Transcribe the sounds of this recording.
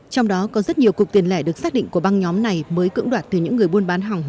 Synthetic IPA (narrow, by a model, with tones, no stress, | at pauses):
t͡ɕɔ˧wŋ͡mɗɔ˨˦kɔ˨˦zə˦˥t̚ɲi˨˩əwku˨˩k͡p̚t̪i˨˩ənlɛ˧˩ɗɨ˨˩ək̚saː˦˥k̚ɗḭ˧˨ŋ̟ku˧˩əɓa˧ŋɲɔ˨˦mna˨˩jməː˨˦jkɨ̰˧˥ŋɗwaː˨˩t̚t̪ɨ˨˩ɲɨ̰˧˥ŋːɨ˨˩əjɓu˧ənɓaː˨˦nɦa˨˩wŋ͡m